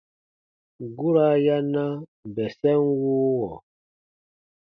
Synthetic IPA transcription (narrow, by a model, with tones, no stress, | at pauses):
ɡu˦ɾa˦ja˦na˦bɛ˨sɛ˦nwuː˦wɔ˨